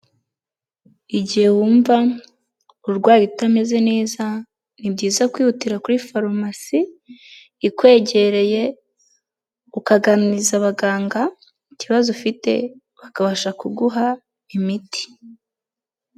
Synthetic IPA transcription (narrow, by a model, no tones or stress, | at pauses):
iɟihe̞wuːɱva | uɾɡwaːjitame̞ze̞ne̞ːza | nibɟiːzakwiːhutiɾakuɾifaɾomasiː | kwe̞ːɟe̞ɾe̞je̞ | ukaɡanizaβaɡaːŋɡa | iciβazofite̞̰ | βakaβaʃakuɡuɦa | imiti̥